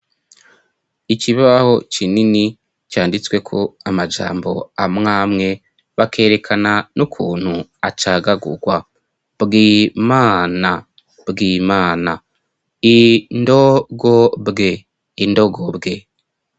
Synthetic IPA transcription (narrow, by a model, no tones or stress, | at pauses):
iciβaaho̞t͡ʃinini | caːndit͡swe̞kʰoamad͡ʒa̰ːmbo̞amŋaːmŋe̞ | βakʰe̞ːɾe̞kʰananukʰuːn̥huat͡ʃaɡaɡṵɡwa | bɡiːmaːna | bɡiːmaːna | indo̞ɡo̞bɡe̞ | indo̞ɡo̞bɡe̞